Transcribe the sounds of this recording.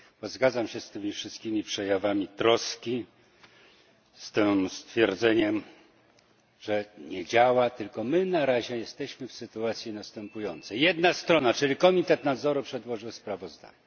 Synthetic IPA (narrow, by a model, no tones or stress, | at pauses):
b̥ɔzɡad̪zamɕɛst̪ɘmʲifʂɘst̪̚kʲimʲipʂɛjavamʲit̪ɾɔskʲi | st̪ɪst̪fʲjɛɾd̪zɛɲɛm | ʐɛɲɛd͡ʑawat̪ɘlkɔmɘnaɾaʑɛjɛst̪ɛɕmɘfsɘt̪uat̪sʲjinast̪ɛmpujɔnt̪sɛjɛd̪nast̪ɾɔnat͡ʂɘlʲikɔmʲit̪ɛt̪nad̪zɔɾupʂɛd̪wɔʐɘwspɾavɔzd̪a̰ɲɛ